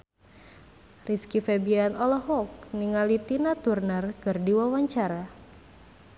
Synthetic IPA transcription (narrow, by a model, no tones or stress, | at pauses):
riskifɛbianɔlɔɦɔk̚niŋalit̪inat̪urnərkɨrdiwawaɲt͡ʃaɾa